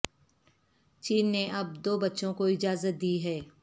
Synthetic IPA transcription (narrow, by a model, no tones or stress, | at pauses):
t͡ʃiːnːeʔɐb̚d̪oːbɐtːʃõkoɪd͡ʒaːzət̪̚d̪iːɦɛː